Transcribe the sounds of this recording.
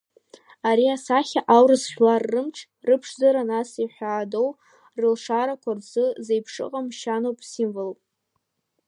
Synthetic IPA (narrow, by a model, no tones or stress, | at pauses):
aɾiasaχʲaʔawrɨzχʲᶣlarːɨmʈ͡ʂʰ | rɨpʰʂzaɾanasiħʷᶣaːdo̞w | rɨlʂaɾakʷʰarzɨzejpʰʂɨ̰qʼamʃanowpʼsimvolpʼ